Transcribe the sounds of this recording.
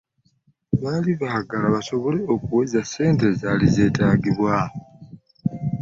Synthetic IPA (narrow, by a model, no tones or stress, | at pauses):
βaːliβaɡalaβaso̞βo̞le̞o̞kuwezase̞ːnte̞zalize̞ːtaːɡiβwa